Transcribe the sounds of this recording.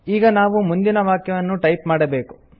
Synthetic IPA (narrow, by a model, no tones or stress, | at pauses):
iːɡɐnaːʋumund̪inɐʋaːkjɐʋɐnːuʈɐjpmaːɽɐbe̞ːku̥